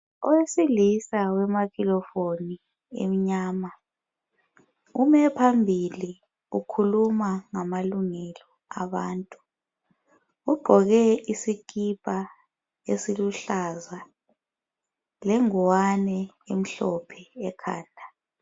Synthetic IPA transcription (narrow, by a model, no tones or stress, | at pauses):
ɔwesilisawɛmakilɔfoni | ḛm̩ɲaːma | umɛpʰambʱili | ukʰulumaŋamaluŋɛlɔ | aβaːntʼu̥ | uɡ͡ǃʱɔɣɛisik̬ʼipʼa | esiluɬaza | lɛŋɔwanɛ | em̩ɬɔpʰɛɛkʰa̰ːndʱa